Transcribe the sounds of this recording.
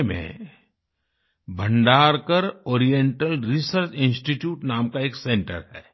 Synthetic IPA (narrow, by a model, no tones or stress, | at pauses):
mḛ̃ | bʱə̃ɳɖaːɾkəɾɔːɾijẽɳʈəlɾisəɾt͡ʃɪ̃nsʈiʈjuːʈnaːmkaeːksẽɳʈə̰ɾɦɛː